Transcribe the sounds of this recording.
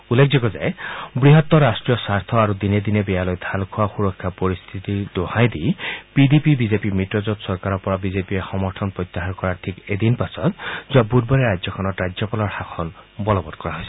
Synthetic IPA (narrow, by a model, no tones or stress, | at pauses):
ulːekʰzikɔzajbɹiɦɔt̪ːɔɹasʈɹijɔsaɹt̪ʰɔaɾud̪ined̪inebɛjalɔjd̪ʱalkʰuwaxuɹɔkʰːapɔɹist̪ʰit̪id̪ohajd̪ijpid̪ipibizepimitɹɔzɔt̪sɔɹkaɾɔpɔɹabizepiexɔmɔɾtʰɔnpɹɔjt̪ːaɦaɹkɔɹatʰiked̪inpasʰɔt̪zuabudbɔɹeɾajzjɔkʰɔnɔtɹad͡ʒjɔpalɔɹxakʰɔnbɔlɔbɔd̪̚kɔɹaɦojsɛ